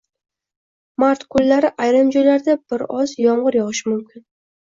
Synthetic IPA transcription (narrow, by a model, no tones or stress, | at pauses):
maɾt̪kʰʊlːaɾɪʔajɾɪmd͡ʒɒjlaɾd̪abɪɾɒzjɒɴʁɨɾjɒʁɨʃɪmʊmkʲɪn